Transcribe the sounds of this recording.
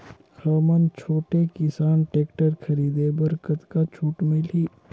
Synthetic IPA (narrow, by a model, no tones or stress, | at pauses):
xəːmənt͡ʃʰoːʈekɪsaːnʈeːkʈəɾkʰɐɾiːd̪ebɐɾkət̪kat͡ʃʰuːʈmɪlɦiː